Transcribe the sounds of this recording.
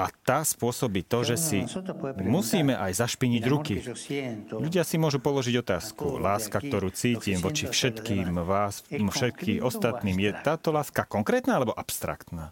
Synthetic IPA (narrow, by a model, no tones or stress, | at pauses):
ʔat̪aːspʊɔsɔbiːt̪ɔʒɛsimusiːmɛʔajzaʃpiɲiɟɾuki | ʎuɟɪasimʊɔʒupɔlɔʒiɟɔt̪aːskṵlaːskak̚t̪ɔɾuːt͡siːciːmʋɔt͡ʃifʃɛt̪kiːmʋaːsmfʃɛt̪̚kixɔst̪at̪niːmjɛt̪aːt̪ɔlaːskakɔŋkɾɛːt̪naːalɛbɔʔapst̪ɾa̰kt̪naː